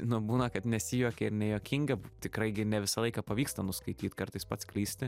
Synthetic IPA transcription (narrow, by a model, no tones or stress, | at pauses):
nʊbuːnɐkɐt̪nʲɛsʲɪjuɔkʲɛɪɾnʲɛjoːkʲɪŋɡɐbt̪ʲɪkɾɐɪɡʲɪnʲɛʋʲɪsɐlˠɐɪkɑːpɐʋʲiːkst̪ɐnʊskɐɪt̪ʲiːt̪ʲkɐrt̪ɐɪspɐt̪sklʲiːsʲt̪ʲɪ